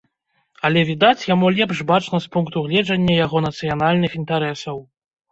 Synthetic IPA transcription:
ɐlʲɛvʲid̪at͡sʲjamulʲɛpʂbat͡ʂnɐspunkt̪uɣlʲɛd͡ʐɐnʲːɐjaɣɔnɐt̪sɨjanalʲnɨxint̪aɾɛsɐw

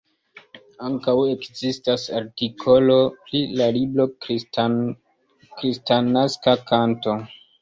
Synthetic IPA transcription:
aŋkawe̞kzistasa̰ɾtikʰo̞lo̞pɾilaliblo̞ | kɾistanaskakʰanto̞

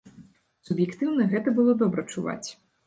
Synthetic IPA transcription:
subjɛkt̪ɨwnɐɣɛt̪ɐbɨlˠɔd̪ɔbɾɐt͡ʂuva̰t͡sʲ

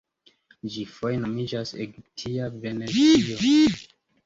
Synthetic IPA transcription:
d͡ʒifojeno̞mid͡ʒasḛɡip̚tʰiave̞nezio

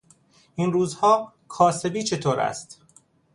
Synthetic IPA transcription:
ʔinruːzhɒː | kʰɒːse̞biːt͡ʃʰe̞t̪ʰoːɾæ̰st̪

